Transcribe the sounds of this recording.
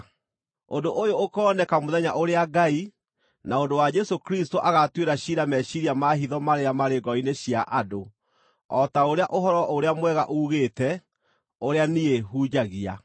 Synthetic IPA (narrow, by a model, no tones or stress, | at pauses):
ondoʔojoːkɔnɛkamoðɛɲaʔoɾeaɡai | naondowad͡ʒɛsokɾistoʔaɣatweɾaɕiɾamɛɕiɾiamaɦiðɔmaɾeɾamaɾeɡɔineɕjaʔado | ɔtaoɾeaʔoɦɔɾɔʔoɾeamwɛɣaʔuɣeːtɛ | oɾeanieɦuːd͡ʑaɣia̰